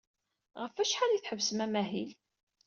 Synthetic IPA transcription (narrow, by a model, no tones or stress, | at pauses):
ʁəfæʃħaliθħəvsəmæmæɦil